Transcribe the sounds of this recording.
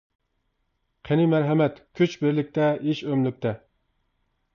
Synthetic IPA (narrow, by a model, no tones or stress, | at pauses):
qʰenimæɾɦɛmɛt̪kʲʰyt͡ʃbɪɾlɪk̚ʲt̪ɛʔiʃømlyk̚ʲt̪ʰɛ